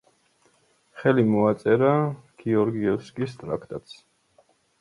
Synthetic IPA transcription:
χɛlimɔat̪sʼɛɾaɡ̥iɔɾɡiɔskʼist̪ʼɾa̰kʰt̪ʼat̪s

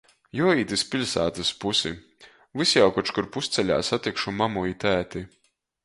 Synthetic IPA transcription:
jɔiːt̪ɨsʲpʲilʲsa̰ːt̪ɨspusi | vɨsjawkɔt͡ʃkuɾpust̪sɛlʲa̰ːsat̪ikʃumamuit̪æːt̪i

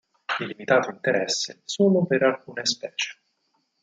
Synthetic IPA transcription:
ilːimit̪aːt̪oint̪eɾɛsːḛsoːlopeɾalkuːnespɛːt͡ʃe̥

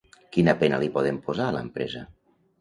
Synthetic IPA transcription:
kinəpenə̰lipɔð̞empozaːlə̰mpɾɛzə

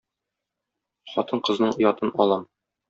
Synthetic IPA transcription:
χɒt̪ɤɴqɤ̆znɤɴŏjɒt̪ɤnʔɒlˠɑm

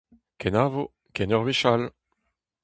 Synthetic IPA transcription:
kɛnavo | kɛnœʁwiʃal

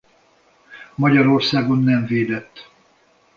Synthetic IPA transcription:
mɒɟɒɾo̞rsaːɡo̞nːɛɱveːd̪ɛt̪ː

